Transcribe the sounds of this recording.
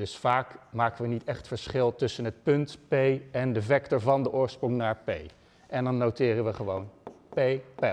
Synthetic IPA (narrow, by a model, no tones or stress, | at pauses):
dɵsfaːkmaːkəʋənitɛχtfəɹsχɪlˠtɵsənɦət̚pɵntpejɛndəvɛktɔɹvɑndəʔʊːɹsprɔŋnaːɹpḛj | ʔɛndɑnːowtɪːrənʋəχəʋownpejpɛ